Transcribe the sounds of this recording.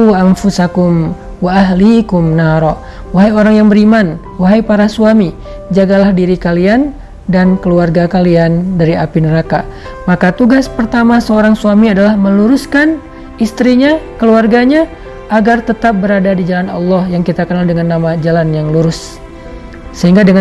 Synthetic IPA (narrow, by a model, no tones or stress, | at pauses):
amfusakʊm | waʔaɦlikʊmnaɾɔ | waɦajoɾaŋjaŋbəɾiman | waɦajpaɾasuami | d͡ʒaɡalahdiɾikalian | dankəluarɡakaliandaɾiapinəɾaka | makat̪uɡaspərt̪amasəoɾaŋsuamiadalahməluɾuskan | ist̪ɾiɲakəluarɡaɲa | ʔːɡart̪ət̪ap̚bəɾadadid͡ʒalanɑ̰lːɔhjaŋkit̪akənaldəŋanːamad͡ʒalanjaŋluɾʊs | əhiŋɡadəŋa